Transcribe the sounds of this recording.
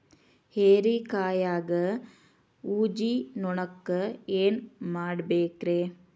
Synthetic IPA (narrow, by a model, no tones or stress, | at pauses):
heːɾikaːjaːɡɐ | uːd͡ʒinɔɳɐkːɐeːnmaːɽbeːkɾeː